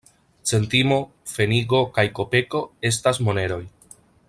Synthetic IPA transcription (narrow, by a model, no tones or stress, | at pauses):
t͡se̞ntimo̞ | fe̞niɡo̞kajko̞pe̞ko̞e̞s̬tasmo̞ne̞ɾo̞j